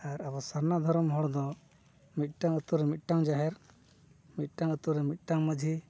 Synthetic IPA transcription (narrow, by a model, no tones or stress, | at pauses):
aɾabɔsaɾnad̪ʱɔɾɔmɦɔɽd̪ɔ | mit̪̚ˀʈaŋət̪uɾɛmit̪̚ˀʈaŋd͡ʒaɦɛɾ | mit̪̚ʈaŋət̪uɾɛmit̪̚ˀʈaŋməd͡ʒʱi